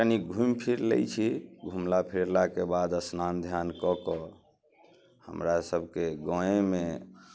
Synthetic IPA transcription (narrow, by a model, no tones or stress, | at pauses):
əniɡʱumpʰiɾlḛjt͡ʃʰiɡʱumlapʰiɾlakebad̪əsnand̪ʱjankɔkɔ | hə̰mɾasəbʱkeɡɔ̃eme